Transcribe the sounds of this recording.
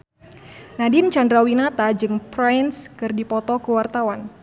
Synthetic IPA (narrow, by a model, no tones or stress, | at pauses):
nadɪnt͡ʃandɾawinat̪ad͡ʒɨŋpɾajnskɨrdipɔt̪ɔkəwart̪awan